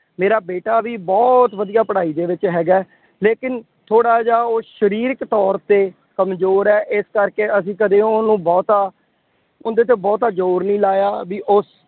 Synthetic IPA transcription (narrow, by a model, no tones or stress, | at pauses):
meːɾaːbeːʈaːʋiːbɔːt̪ʋəd̪ijaːpəɽaːiːd̪eːʋɪt͡ʃɦɛːɡaː | leːkɪn | t̪ʰoːɽaːd͡ʒaːoːʃəɾiːɾɪkt̪ɔːɾt̪eː | kəmzoːɾɛːʔɪskəɾkeːəs̬ĩːkəd̪ẽːʊnũːbɔːt̪aː | ʊnd̪eːt̪̬eːbɔːt̪aːd͡ʒoːɾnĩːlaːjaːʋiːʔʊs